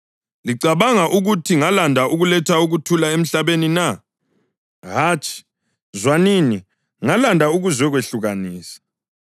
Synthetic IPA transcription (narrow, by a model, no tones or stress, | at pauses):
liǀaβaŋaʔuɣutʰiŋalandʱaʔuɣulɛtʰauɣutʰulaem̩ɬaβenina | ɦaːt͡ʃʼʰi̥ | zwanini | ŋalandʱauɣuzwɛɣweɬuɣaniːsḁ